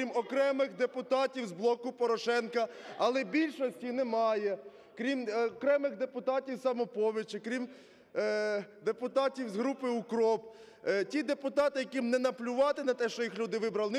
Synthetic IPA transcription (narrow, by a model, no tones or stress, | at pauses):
imɔkɾɛmɪxd̪epʊt̪ɑtʲiwzblˠɔkʊpɔɾɔʃɛnkɐɐlˠɛbʲilʲʃɔsʲtʲinɛmɑjɛ | kɾʲimɔkɾɛmɪɣd̪epʊt̪ɑtʲiwsɐmɔpɔʋʲit͡ʃɪkɾʲim | d̪epʊt̪ɑtʲiwzɦɾupɪʊkɾɔp | tʲid̪epʊt̪ɑt̪ɪjɐkimnɛnɐplʲʊʋɑt̪ɪnɐt̪ɛʃt͡ʃɔjixlʲud̪ɪʋɪbɾɐlˠn